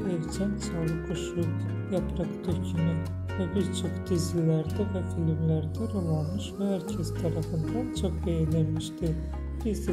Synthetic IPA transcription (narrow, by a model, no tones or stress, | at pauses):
ɛvt͡ʃʰænsaːlˠɯkʰoʃuk | japɾakt̪ʰøcʰyny | vɛbiɾt͡ʃʰo̞kd̪izilʲæɾd̪ɛvɛfilʲimlʲæɾd̪ɛɾolˠanmɯʃvɛhæɾcʰest̪ʰaɾafɯnd̪ant͡ʃʰo̞k̚bejed̪enmiʃt̪i | biz